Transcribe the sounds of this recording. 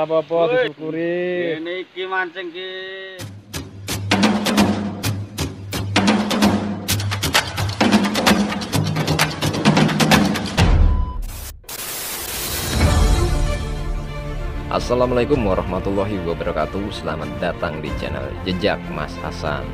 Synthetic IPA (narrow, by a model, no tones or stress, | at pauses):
apapɔukuɾinikimaɲt͡ʃəŋki | ʔa̰salamalaikʊmwaɾɔhmat̪ulɔɦiwabəɾɔkat̪usəlamat̪̚dat̪aŋdit͡ʃa̰na̰ld͡ʒəd͡ʒak̚ma̰sha̰sa̰n